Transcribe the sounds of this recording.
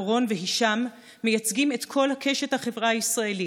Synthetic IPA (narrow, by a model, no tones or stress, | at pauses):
ʁo̞nveɦiʃamː | e̞jat͡sɡime̞t̪kʰo̞lhakʰe̞ʃet̪haχevʁaaisʁae̞li